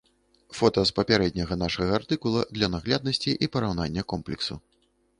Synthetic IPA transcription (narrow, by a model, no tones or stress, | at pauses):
fɔt̪ɐspɐpʲaɾɛd̪̚ʲnʲɐɣɐnaʂɐɣɐːrt̪ɨkulˠɐd̪lʲɐnaɣlʲad̪̚nɐsʲt͡sʲiʔipɐɾawnanʲːɐkɔmplʲɛksṵ